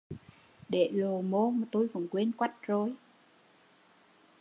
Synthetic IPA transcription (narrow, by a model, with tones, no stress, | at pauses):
ɗe˧˩˨lo˨˩mo˧maː˨˩t̪o˧jkɔ̰˨˧˩nkwe˧nkwa˦˥t̚zo˨˩j